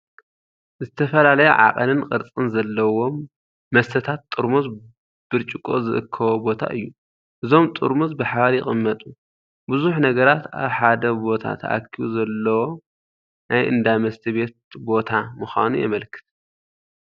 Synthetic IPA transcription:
zɨt̪ʰɐfɐlalɐjṵʕa̰qʼɐlɨnqʼɨɾt͡sʼɨnzɐlːɐwo̞mː | ɐst̪ʰɐt̪ʰat̪ːʼɨɾmuz | b̥ɨɾt͡ʃʼɪkʼo̞̰zɨʔɨkʰːɐwobo̞t̪ʰa̰ʔɨjːu | ʔɨzo̞mt̪ʼɨ̰ɾmuzbɨħaβaɾjɪχʼɨmːɐt̪ʼu | buzuħnɐɡɐɾat̪a̰βħad̪ɐbo̞t̪ʰa̰t̪ʰa̰kʰːiβṵzɐlːɐwo̞ | nʔajʔɨ̰nd̪amɐst̪ʰiβe̞t̪̚bo̞t̪ʰamɨxʷa̰nujɛ̰mɐlkʰɨ̥t̪

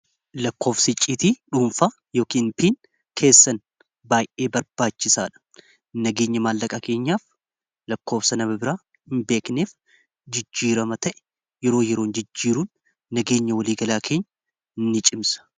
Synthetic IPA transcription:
lɐkːo̞ːfsɪt͡ʃʼːiːt̪iːᶑuːmfaː | jo̞ːkiːnpiːn | kʰe̞ːsːɐn | baːjʔe̞ːbɐɾbaːt͡ʃːɪsaːᶑɐ̥ | nɐɡe̞ːɲːɐmaːlːɐkʼɐke̞ːɲːaːf | lɐkːo̞ːfsɐnɐbɐbɪɾaː | hɪmbe̞ːkneːf | d͡ʒɪd͡ʒːiːɾɐmɐt̪ɐʔɛ̥ | jɛɾo̞ːjɛɾo̞ːnd͡ʒɪd͡ʒːiːɾuːnː | ɐɡe̞ːɲːɐwɐliːɡɐlaːkʰe̞ːɲːɐ | ɪnːɪt͡ʃʼɪmsɐ̥

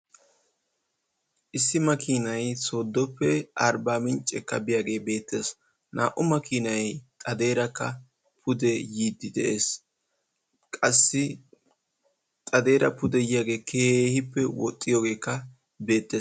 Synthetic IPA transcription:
ʔɪsːɪmɐkiːnɐjso̞ːd̪ːɔpːɛɐɾbaːmɪnt͡ʃʼːɛ̰kːɐ̰bɪjaːɡe̞ːbe̞ːt̪ːe̞ːs | na̰ːʔʊmɐkiːnɐjt̪ʼɐd̪e̞ːɾɐkːɐ | pʰʊd̪ɛjiːd̪ːɪd̪ɛ̰ʔe̞ːs | kʼɐsːɪ | t̪ʼɐd̪e̞ːɾɐ̰pʊd̪ɛjɪjaːɡe̞ːkʰeːhɪpːɛwɔ̰t̪ʼːɪjo̞ːɡe̞ːkːɐ | be̞ːt̪ːeːs

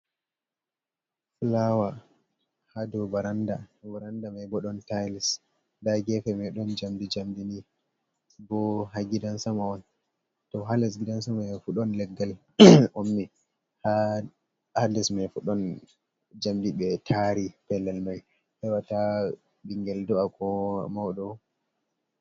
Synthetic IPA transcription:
fulawa | hadɔbaɾandabaɾandamajbɔɗɔntajlis | daɡɛfɛmɛɗɔnd͡ʒamdid͡ʒamdini | bɔɦaɡidansamawan | tɔɦalɛsɡidans̬amajfuɗɔnlɛɡːal | ʔomːi | ha | halɛsmafuɗɔn | d͡ʒamdiɓɛtʰaɾipɛlɛlmaj | hɛwata | biŋɡɛldɔakɔmawɗɔ

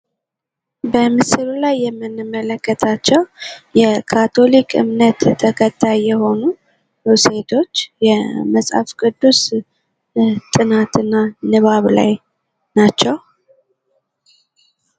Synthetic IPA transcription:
bəmɨsɨlulajːɛmːɨnːɨmːələkːət̪ʰat͡ʃːɛwjɛkʰat̪ʰo̞likʼɨ̰mnət̪ːʰəkʰət̪ʰːajːɛho̞nu | use̞t̪ʰo̞t͡ʃːjɛməsʼha̰fkɨd̪ːus | t̪ʼɨnat̪ʰɨnːanɨβaβla̰j | nat͡ʃːɛw

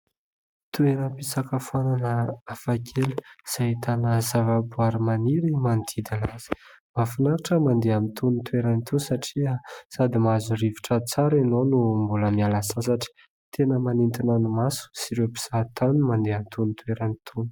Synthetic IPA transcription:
t̪ueɾəpisakəfananəafakʰelə̥z̥at̪anəzavabuaɾimaniɾimand̪id̪alaz̥i̥ | mafinaɾaʈ͡ʂəmand̪eamint̪ʰunit̪ueɾanit̪ʰusaʈ͡ʂiəsad̪imazurivi̥ʈ͡ʂət͡saɾenonumbuləmialasasaʈ͡ʂi̥ | t̪ʰenəmanint̪inanumasu̥siɾepi̥z̥at̪anumand̪eamit̪unit̪ueɾanit̪ʰun

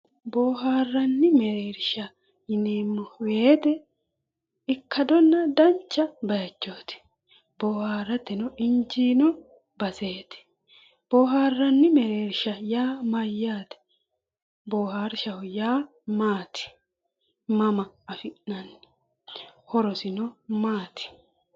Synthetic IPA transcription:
boːɦaːrːɐnːɪmɛɾeːɾʃɐ | ɪneːmːɔweːt̪ɛ | ɪkːɐd̪ɔnːɐd̪ɐnt͡ʃːɐbɐjɐt͡ʃːoːt̪ɪ̥ | boːhaːrːɐt̪ːɛnɔɪɲd͡ʒiːnɔ | bɐse̞ːt̪ɪ̥ | b̥ɔːɦaːrːɐnːɪmɛɾeːɾʃɐjaːmɐjːaːt̪ɛ̥ | boːhaːɾʃɐwɔjaː | maːt̪ɪ̥ | mɐmɐːfɪʔnɐnːɪ̥ | hɔɾɔsɪnɔmaːt̪ɪ̥

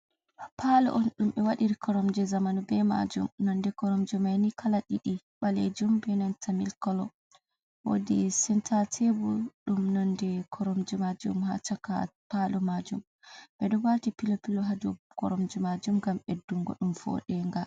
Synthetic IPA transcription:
pʰalɔ̰ʔɔnɗumɓɛwaɗiɾikʰɔɾɔmd͡ʒɛzamanubɛma̰d͡ʒṵmnɔndɛkɔɾɔmd͡ʒumajnikʰalaɗiɗi | ɓaled͡ʒumbɛnantʰamilkɔlɔ | wo̰disɛntʰatʰebuɗumnɔndɛkʰɔɾɔmd͡ʒumad͡ʒṵmha̰t͡ʃaka̰palumad͡ʒum | ɓɛɗɔwatipilɔpilɔɦad͡ʒukɔɾɔmd͡ʒɛmad͡ʒumɡamɛduŋɡɔ̰ɗumfɔ̰ɗɛŋɡa

